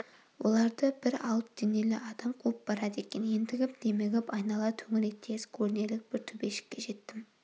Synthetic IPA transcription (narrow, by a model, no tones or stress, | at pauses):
wʔo̞̰lˠɑɾd̪əbɪɾɑ̰lˠəp̚d̪̥ene̞lɪʔɑd̪ɑmqʰup̚bɑɾɑd̪e̞kʲe̞nje̞nd̪ɪɡʲɪp̚d̪̥e̞meɡʲɪpɑjnɑlˠɑt̪ʰɵŋɪɾet̪ʰːe̞skʲʰɵɾne̞lɪk̚b̥ɪɾt̪ʰɵbe̞ʃɪ̥kʲːeʒe̞t̪ːɪm